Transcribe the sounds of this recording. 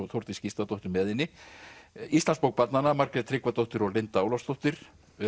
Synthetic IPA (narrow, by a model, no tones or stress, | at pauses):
θowɾt̪ɪscist̪at̪owht̪ɪɾmɛːðɪnːɪ | ist̪lanspowk̚pat̪nanamaɾkɾɛt̪ʰɾɪkvat̪owht̪ɪɾɔɣlent̪aːwlɔwst̪owht̪ɪɾ̥